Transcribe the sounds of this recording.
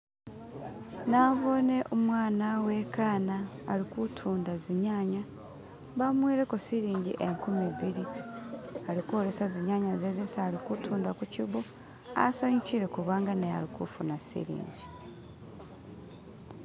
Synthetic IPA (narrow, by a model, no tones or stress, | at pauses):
naːβo̞ne̞ʔomwaːnawe̞kaːnaː | likutʰuːndaziɲaːɲa | βamwiːɾe̞kosiɾiːɲɟḭʔeŋkumiβiɾi | alikuoɾe̞saziɲaɲazezesaːlikutʰuːndakuciβu | a̰saɲuciɾe̞kuβaːŋɡanea̰likṵfunasḭɾḭːɲɟi